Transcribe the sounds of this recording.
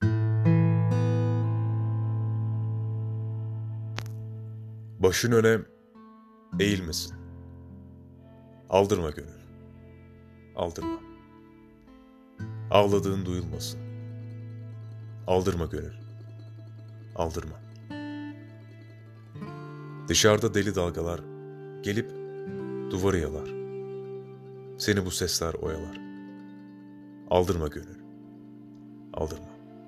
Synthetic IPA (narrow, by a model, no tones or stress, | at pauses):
baʃɯnønɛm | e̞jilʲmesin | a̰lˠd̪ɯɾmaɟønylʲ | a̰lˠd̪ɯɾma | a̰lˠad̪ɯːnɯd̪ujulˠmasɯn | alˠd̪ɯɾmaɟø̞nylʲ | a̰lˠd̪ɯɾma | d̪ɯʃaɾd̪ad̪e̞lʲid̪alˠɡalˠaɾ | ɟe̞lʲip | d̪̥uvaɾɯjalˠaɾ̥ | se̞nibusɛslʲæɾo̞̰jalˠaɾ̥ | a̰lˠd̪ɯɾmaɟø̞nylʲ | a̰lˠd̪ɯɾma